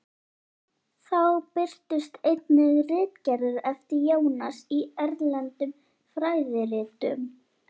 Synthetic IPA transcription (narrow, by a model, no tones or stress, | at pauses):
θawpɪr̥t̪ʏst̪ejt̪nɪðrɪːt̪cɛɾðʏɾɛft̪ɪɾjoːwnasiɛɾlɛnt̪ʏm | fɾaːjðɪɾɪːt̪ʏ̰m